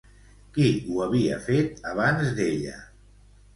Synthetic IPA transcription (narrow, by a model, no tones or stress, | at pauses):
kiuəβiə̰fet̪̚aβ̞anzd̪eʎə̰